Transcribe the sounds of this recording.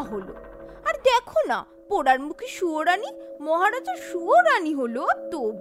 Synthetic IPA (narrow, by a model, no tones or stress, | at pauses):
ɦolo̰aɾd̪ɛkʰona̰ | poɽaɾmukʰiʃuoɾanimɔɦaɾad͡ʑoʃuoɾaniɦolot̪ob